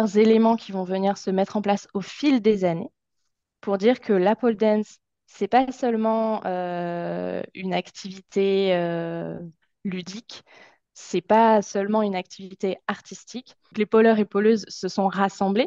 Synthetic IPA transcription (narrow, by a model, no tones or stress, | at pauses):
ʁzelemɑ̃kʲivɔ̃vəniʁsəmɛt̪χɑ̃plasofild̪ezane | puʁd̪iʁkʰəlapɔld̪ɛnsː | ɛpasœlmɑ̃ø | y̰nakt̪ʰivit̪ʰeø | lyd̪ikʲ | sɛpasœlmɑ̃ynakt̪ʰivit̪eaʁt̪ist̪ik | klepɔlœʁepɔløzsəsɔ̃ʁasɑ̃ble